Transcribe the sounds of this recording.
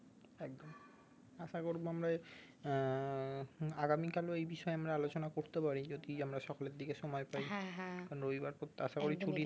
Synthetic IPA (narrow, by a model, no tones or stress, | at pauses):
ɛk̚d̪om | aʃakoɾboamɾa | aɡamikaloejbiʃɔeamɾaalot͡ɕonakoɾt̪epaɾid͡ʑod̪iamɾaʃɔkoleɾd̪ikeʃɔmɔepajkaɾnoɾobibaɾpot̪ːaʃakoɾit͡ɕʰuʈi